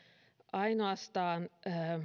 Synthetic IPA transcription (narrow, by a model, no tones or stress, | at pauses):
ʔɑinoɑst̪ɑːnː